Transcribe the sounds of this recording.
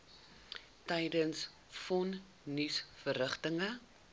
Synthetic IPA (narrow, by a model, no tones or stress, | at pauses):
tɛjdəns | fɔn | nysfəɾəχtəŋə